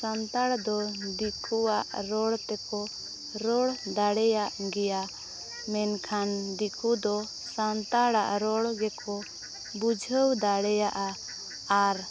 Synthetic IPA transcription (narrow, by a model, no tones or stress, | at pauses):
sant̪aɽd̪ɔd̪ikʰuwaʔɾɔɽt̪ɛkɔ | ɾɔɽd̪aɽɛjaʔɡɛja | mɛnkʰand̪ikʰud̪ɔ | sant̪aɽa̰ʔɾɔɽɡɛkʰɔ | bud͡ʒʱəwd̪aɽɛjaʔa | aɾ